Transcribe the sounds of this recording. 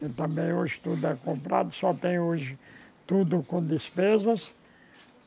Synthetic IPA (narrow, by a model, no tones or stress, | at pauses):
ẽt̪ɐ̃mbẽj̃oʒɪ̥t̪ud̪ʊɛkõmpɾa̰d̪ʊsɔt̪ẽj̃oʒɪt̪ud̪ʊkõd̪espezɐs